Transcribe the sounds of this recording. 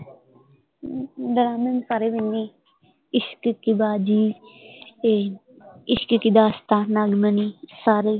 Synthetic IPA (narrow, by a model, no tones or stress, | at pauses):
d̪əɾaːmənsaɾeʋɪnːi | ɪʃkkibaːd͡ʒiː | ɪʃkkid̪aːst̪anaːɡmənisaːɾe